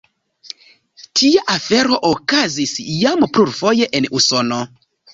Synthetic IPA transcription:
tʰiaʔafeɾo̞ʔokazisjampluɾfojeʔenusono

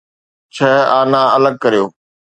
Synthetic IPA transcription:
t͡ɕʰɐɦaːnãɐləɡ̚kɐɾijoː

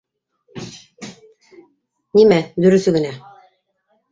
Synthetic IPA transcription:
nimæd̪ɵ̆ɾɵ̆sɵɡɘ̆næ

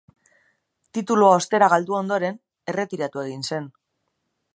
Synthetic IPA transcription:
t̪it̪uluao̞st̪e̞ɾaɣ̞ald̪uo̞nd̪o̞ɾe̞n | e̞re̞t̪iɾat̪ue̞ɣ̞inse̞n

